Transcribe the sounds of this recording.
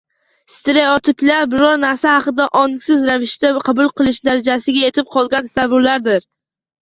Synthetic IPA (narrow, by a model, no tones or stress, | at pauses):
st̪ʰɪɾejɒt̪ʰɪplaɾbɪɾɒɾnaɾsahɑqɨd̪aʔɒnɪkʲsɪzɾavɪʃt̪aqʰɑbʊlˠqɨlˠɪʃd̪aɾad͡ʒasɪɡʲae̞t̪ʰɪp̚qʰɒlˠɡʲansavʊɾlaɾd̪ɪɾ